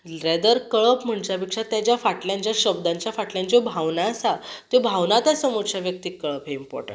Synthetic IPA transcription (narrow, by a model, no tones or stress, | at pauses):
ɾɛd̪əɾkəɭəpm̤əɳd͡ʑapikʂat̪jat͡ɕjafaʈljãɲt͡ɕjaɕəbd̪aɲt͡ɕjafaʈljãɲt͡ɕobʱaʋnaəsat̪jobʱaʋnat̪asəmoɾɕaʋjək̚t̪iːkːəɭəpɦeimpɔ̰ɾʈ